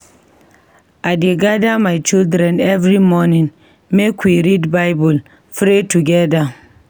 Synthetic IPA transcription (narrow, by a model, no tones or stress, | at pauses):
adeɡadamajt͡ʃildɾɛ̃nɛvɾimɔnĩŋ | mekʰwiɾidbajbul | fɾetuɡɛda